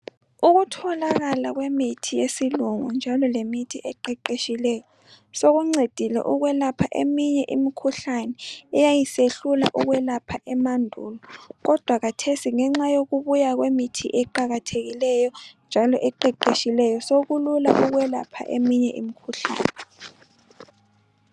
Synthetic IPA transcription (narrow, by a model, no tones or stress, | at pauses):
uɣutʰɔlaɣalaɣwemitʰijesiluŋṵnd͡ʒʱalɔlemitʰiʔɛǃɛǃeʃilɛjɔ | soɣuŋ͡ǀed̥ʱilɛ̰ʔuɣwɛlapʰaʔemiɲɛʔimikʰuɬanɛɛjajiseɬula̰ʔuɣwɛlapʰaʔɛmandʱṵlɔɣɔd̥ʱwaɣatʰesiŋɛŋ͡ǁajoɣuβujaɣwemitʰḭʔɛǃaɣatʰeɣilɛjɔnd͡ʒʱalɔʔɛǃɛǃeʃilɛjɔsoɣulula̰ʔuɣwɛlapʰa̰ʔḛmiɲɛʔḭmikʰuɬa̰ːnɛ